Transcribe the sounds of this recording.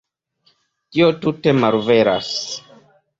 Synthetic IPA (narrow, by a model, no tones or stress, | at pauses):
tiotute̞maɾveɾa̰s